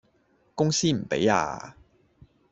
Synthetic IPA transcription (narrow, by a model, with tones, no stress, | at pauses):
kʊ˥ŋsiː˥m̩˨˩pḛ˨˥ja̰ː˧